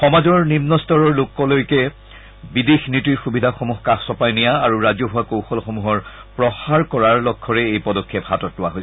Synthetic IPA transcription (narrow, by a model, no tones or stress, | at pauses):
xɔmazɔɹnimnɔstɔɹɔɹlokɔlojkɛ | bidexnitiɹxubidʱaxomuɦkaxsɔpajnijaaɹuɹazjɔɦʊakowxɔlxomuɦɔɹpɹɔxaɹkɔɹaɹlɔkʰːɔɹɛejpɔdɔkʰːephatɔtlʊwa̰ɦojs